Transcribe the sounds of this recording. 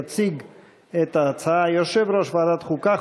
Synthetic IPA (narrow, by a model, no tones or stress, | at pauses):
t͡siɡ | et̪aːt͡saajoʃevɾoʃvaːd̪at̪χuka